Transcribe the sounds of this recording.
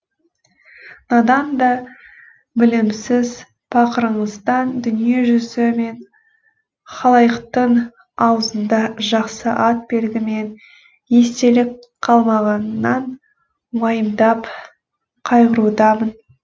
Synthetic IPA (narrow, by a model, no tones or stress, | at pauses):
nɑd̪ɑnd̪ɑ | bɪlɪmsɪz | bʰɑqəɾəɴəzd̪ɑnd̪ʏnije̞ʒʏzɪme̞n | χɑlˠɑjəqt̪əɴ | ɑwəzənd̪ɑʒɑqsəʔɑt̪̚be̞lɡʲɪme̞n | je̞st̪e̞lɪkqʰːɑlˠmɑʁɑnːɑɴ | wɑjəmd̪ɑp | qʰɑjʁəɾud̪ɑmən